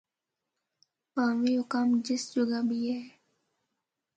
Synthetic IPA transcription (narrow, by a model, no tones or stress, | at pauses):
pãːʋiɦʊkaːmd͡ʒɪsd͡ʒʊɡabʱiɦɛː